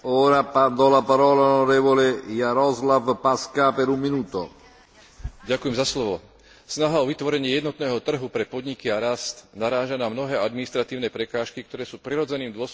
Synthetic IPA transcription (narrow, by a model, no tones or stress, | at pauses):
ɔːɾapad̪ɔlapaɾɔːlaɔnɔɾɛːvɔlejaɾɔzlavpaskapɛɾumːinuːt̪o | ɟakujɛmzaslɔʋɔ | snaɦaɔʋit̪ʋɔɾɛɲɪɛjɛd̪nɔt̪nɛːɦɔt̪r̩ɦupɾɛpɔd̪ɲikiaɾast̪naɾaːʒanamnɔɦɛːʔad̪minist̪ɾat̪iːʊnɛːpɾɛkaːʃkik̚t̪ɔɾɛːsuːpɾiɾɔd͡zɛniːmd̪ʊɔs